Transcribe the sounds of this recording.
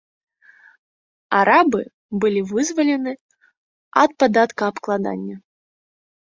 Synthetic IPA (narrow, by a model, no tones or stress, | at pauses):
a̰ɾabɨ | bɨlʲivɨzvɐlʲɛnɨ | ɐt̪̚pad̪at̪kɐːpklˠad̪a̰nʲːɐ